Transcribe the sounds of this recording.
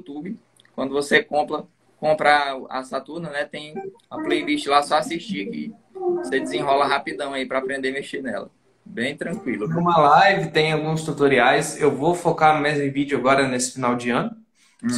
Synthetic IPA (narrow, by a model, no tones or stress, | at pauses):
ut̪ubɪ | kwɐ̃nd̪ʊvosekõplɐ | kõpɾaa̰sat̪uɾnɐnɛt̪ẽj̃ | ɐplejliʃt͡ʃɪlasɔasiʃt͡ʃiakḭ | vosed͡ʒɪzĩɦɔlɐɦapid̪ɐ̃w̃aipɾɐapɾẽnd̪emeʃenɛ̰lɐ̰ | bẽj̃t̪ɾɐ̃kwilʊũmɐlajvɪt̪ẽj̃awɡũst̪ut̪oɾiajsewvofokaɾmezmɪ̃vid͡ʒʊaɡɔɾɐnesɪ̥finawd͡ʒɪɐ̃nʊ